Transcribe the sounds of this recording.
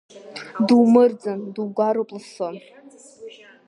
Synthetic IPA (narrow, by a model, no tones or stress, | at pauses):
duwmɨrd͡zanduwɡʷaɾopʼlɨson